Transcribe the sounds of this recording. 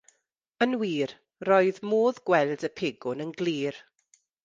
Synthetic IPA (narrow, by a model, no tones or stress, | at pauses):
ənwiːr | roːɨðmoːðɡwɛldəpʰeːɡʊnənɡliːr